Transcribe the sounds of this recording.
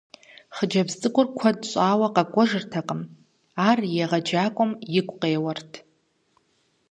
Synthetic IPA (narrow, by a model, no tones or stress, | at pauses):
χəd͡ʒɐbztʼɨkʷʼʊrkʷʰɐdɕʼaːwɐqakʷʼɔʐɨrtʰaqʼəm | aːrjeʁɐd͡ʒaːkʷʼʊmjɪkʷʼqeːwɐrtʰ